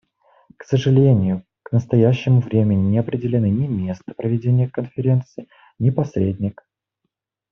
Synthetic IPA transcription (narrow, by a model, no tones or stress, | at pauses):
ksəʐɨlʲenʲɪjʊ | knəst̪ɐjæɕːɪmʊvɾʲemʲɪnʲɪnʲɪɐpɾʲɪdʲɪlʲɪnɨnʲɪmʲe̞st̪ə̥pɾəvʲɪdʲenʲɪjəkənfʲɪɾʲe̞nt̪sɨɪ | nʲɪpɐsʲɾʲedʲnʲɪk